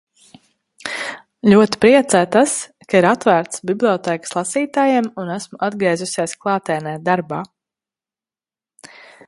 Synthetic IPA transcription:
lʲuɔt̪i̥pɾiɛt̪sæːt̪askaiɾat̪væːɾt̪sbiblʲˠiɔt̪ɛːkə̥slˠɑsiːt̪aːjemunæsmuʔad̪̚ɡɾiɛzusʲeɛsklˠɑːt̪ɛnɛːt̪̚d̪aɾbaː

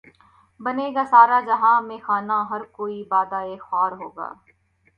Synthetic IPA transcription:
bɐneːɡasaːɾad͡ʒɐɦãmẽxaːnaɦɐɾkoːibaːd̪aeːxɔːɾɦoːɡa̰ː

